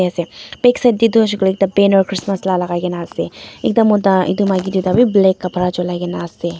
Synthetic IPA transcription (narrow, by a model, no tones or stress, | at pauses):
ɐsepeksɐd̪id̪uʃ̬uklik̚d̪ɐbeːnoɾkɾɪsmɐslaːlɐɣaːɡenaːst̪eek̚d̪ɐmod̪aḭd̪umaɡid̪ud̪abibleːkːɐpʰɾat͡ʃolaɡenaːst̪e